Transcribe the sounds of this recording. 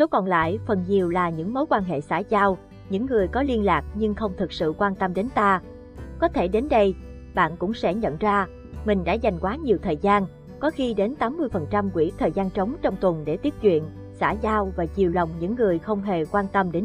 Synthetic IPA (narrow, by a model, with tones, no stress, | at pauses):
so˨˦kɔ˨˩nla̰ː˧˨jfə˨˩nɲi˨˩əwlaː˨˩ɲɨ̰˧˥ŋmo˨˦jkwaː˧nɦḛ˧˨saː˧˩zaː˧w | ɲɨ̰˧˥ŋːɨ˨˩əjkɔ˨˦li˧ənlaː˨˩k̚ɲɨ˧ŋxə˧wŋ͡mt̪ʰɨ˨˩k̚sɨ̰˧˨kwaː˧nt̪ə˧mɗe˨˦nt̪aː˧ | kɔ˨˦t̪ʰe˧˩ɗe˨˦nɗə˧j | ɓa̰ː˧˨nkʊ̰˧˥ŋ͡msɛ̰˧˥ɲə̰˧˨nzaː˧ | mï˨˩ŋ̟ɗa̰ː˧˥za˨˩jŋ̟kwaː˨˦ɲi˨˩əwt̪ʰəː˨˩jzaː˧n | kɔ˨˦xi˧ɗe˨˦nt̪aː˨˦mːɨ˧əjfə˨˩nt͡ɕa˧mkwḭ˧˥ət̪ʰəː˨˩jzaː˧nt͡ɕə˨˦wŋ͡mt͡ɕɔ˧wŋ͡mt̪wə˨˩nɗe˧˩t̪i˦˥əp̚t͡ɕwḭ˧˨ən | sa̰ː˧˥zaː˧wvaː˨˩t͡ɕi˨˩əwlə˨˩wŋ͡mɲɨ̰˧˥ŋːɨ˨˩əjxə˧wŋ͡mɦe˨˩kwaː˧nt̪ə˧mɗe˨˦n